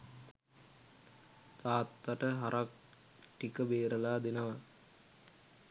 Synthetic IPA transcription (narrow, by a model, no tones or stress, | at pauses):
t̪aːt̪ːaʈəɦaɾʔak̚ | ʈikəbeːɾəlaːd̪enəʋa